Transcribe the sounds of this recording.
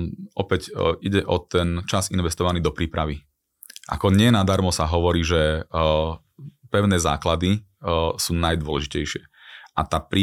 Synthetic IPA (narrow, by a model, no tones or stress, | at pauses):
ʔɔpɛɟiɟɛʔɔt̪ɛnt͡ʃazinʋɛst̪ɔʋaniːd̪ɔpɾiːpɾaʋi | ʔa̰kɔɲɪɛɛnad̪aɾmɔsaɦɔʋɔɾiːʒɛ | pɛʊnɛːza̰ːklad̪i | suːnajd̪ʊɔlɛʒicɛjʃɪɛʔat̪aːpɾiː